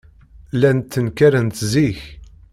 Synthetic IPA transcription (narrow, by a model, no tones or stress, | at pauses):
lænt̪ːənkæɾənt̪ziç